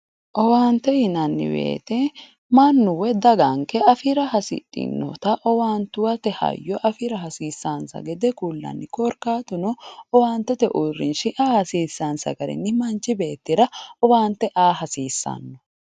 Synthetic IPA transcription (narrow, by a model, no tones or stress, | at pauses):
ʔɔwaːnt̪ːɛhɪnɐnːɪ̰bḛːt̪ɛ | mɐnːʊwɛd̪ɐɡɐŋkɛɐfɪɾɐɦɐsɪ̰tʼːɪ̰nːɔ̰t̪ɐʔɔwaːnt̪ʊwɐt̪ɛhɐ̰jːɔʔɐfɪɾɐɦɐsiːsːɐnsɐ̰ɡɛd̪ɛkulːɐ̰nːɪkɔɾkaːt̪ʊnɔɔwaːnt̪ːɛt̪ɛʔuːrːɪ̰nʃɪʔaːhɐsiːsːɐnsɐ̰ɡɐɾɛ̰nːɪmɐnt͡ʃːɪbe̞ːt̪ːɪɾɐɔwaːnt̪ːɛʔaːɦɐsiːsːɐ̰nːɔ